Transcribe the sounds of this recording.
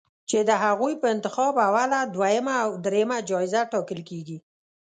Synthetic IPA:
t͡ʃed̪əɦaɣujpəɪnt̪ɪxɑbawalad̪wajəmaːwd̪ɾejəmad͡ʒɑɪzaʈɑkəlkeɡi

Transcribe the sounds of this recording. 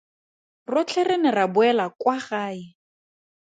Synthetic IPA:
rʊt͡ɬʰɛrenɛrabʊɛlakwaχaːɪ

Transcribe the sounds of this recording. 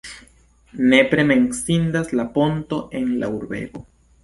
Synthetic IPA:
ne̞pɾe̞me̞nsind̪aslapo̞nt̪o̞ʔe̞nla̰uɾbe̞̰ɡo̞

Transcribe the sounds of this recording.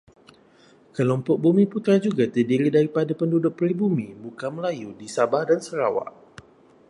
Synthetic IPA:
kəlɔmpɔk̚bumĩput̪ɾad͡ʒuɡat̪ədiɾidaɾipadapəndudʊk̚pəɾibumĩbukanməlajudisabahdansəɾawa̰ʔ

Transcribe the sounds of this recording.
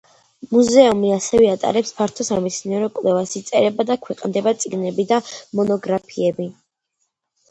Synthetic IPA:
muzɛɔmiasɛvɛat̪ʼa̰ɾɛpspʰaɾt̪ʰɔsamit̪sʰniɛɾɔkʼwlˠɛvasit̪sʼɛɾɛbad̪akʰwɛqʼnd̪ɛbat̪sʼiɡnɛbid̪amɔnɔɡɾapʰiɛbi

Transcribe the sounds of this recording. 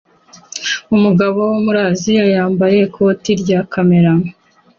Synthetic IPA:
umuɡaβo̞womuɾaːzijajaːmbaje̞kʰotiɾɟaːkʰame̞ɾamo

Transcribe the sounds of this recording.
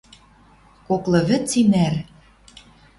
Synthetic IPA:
koklɤ̆βɘ̆t͡simær

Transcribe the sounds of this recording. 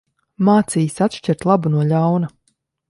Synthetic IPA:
maːt̪siːsat̪ʃcɛɾt̪lˠabunuɔʎawnɐ

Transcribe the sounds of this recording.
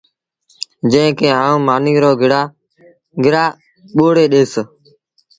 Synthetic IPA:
d͡ʒə̃ɦɪ̃keːaːũːmaːniːɾoːɡʱɪɽaː | ɡʱɪɾaː | ɓoːɽeːɗeːs

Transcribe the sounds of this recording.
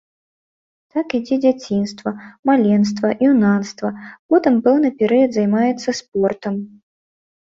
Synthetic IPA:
t̪akid͡zʲɛd͡zʲat͡sʲinst̪vɐmalʲɛns̬t̪vɐʔiwnanst̪vɐpɔt̪ɨmpɛwnɨpʲɛɾɨjɐd̪zajmajɛt̪sːɐsp̚ɔrt̪ɐm

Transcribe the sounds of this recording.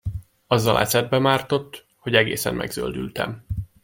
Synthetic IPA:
ɒzːɒlʔɛ̰sɛd̪̚bɛmaːrt̪o̞t̪ː | ho̞ɟɛɡḛːsɛ̰mmʔɛ̰ɡzø̰ld̪ylt̪ɛ̰m

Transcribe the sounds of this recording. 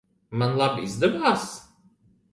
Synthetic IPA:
manlˠabizd̪ɛbaːs

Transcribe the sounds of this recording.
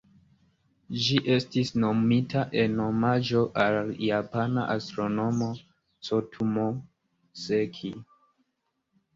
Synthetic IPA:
d͡ʒiʔe̞stisno̞mitaʔe̞no̞mad͡ʒo̞ʔaljapana̰ʔastɾo̞no̞mo̞ | t͡sotʰumo | sekʰi

